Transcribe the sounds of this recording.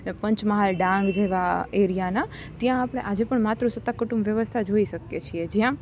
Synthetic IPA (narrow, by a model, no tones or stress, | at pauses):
pəɲt͡ʃməɦalɖãŋɡd͡ʒeʋaeɾijana | t̪jãːpɽ̃eʔad͡ʒepəɳmat̪ɾusət̪ːakuʈũmbʋjəʋəst̪ʰad͡ʒoiʃəkjet͡ʃʰied͡ʒjã